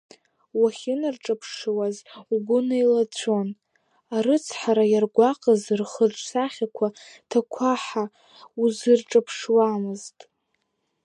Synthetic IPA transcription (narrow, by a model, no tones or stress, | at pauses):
waχʲɪnarʈ͡ʂʼapʰʂwazuɡʷʊnailat͡ɕʷʰo̞n | aɾɨt͡sʰħaɾajarɡʷaqʼazɨrχəʈ͡ʂʷʰʼsaχʲakʷʰatʰakʷʰaħa | uzɨrʈ͡ʂʼapʰʂwamɨztʼ